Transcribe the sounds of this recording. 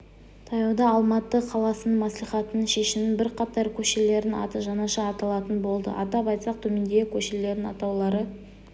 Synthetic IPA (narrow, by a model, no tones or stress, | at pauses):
t̪ʰɑjɑwd̪ɑːlˠmɑt̪ːəqʰɑlˠɑsənəmæslijχɑt̪ənəɴʃe̞ʃɪmɪnbɪɾqʰɑt̪ɑɾkʲʰɵʃele̞ɾɪnɑ̰t̪əʒɑnɑʃɑːt̪ɑlˠɑt̪ənbo̞lˠd̪ə̰ʔɑ̰t̪ɑpɑjt̪sɑq̚t̪ʰɵme̞nd̪ejkʲʰɵʃele̞ɾd̪ɪnɑ̰t̪ɑwlˠɑɾə